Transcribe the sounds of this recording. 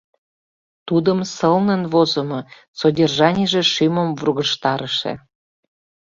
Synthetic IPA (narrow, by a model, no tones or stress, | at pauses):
t̪ud̪əmsəlnə̆nvozə̆mɤ | sodʲerʒɑnʲiʒĕʃyməmvruɣəʃt̪ɑɾəʃḛ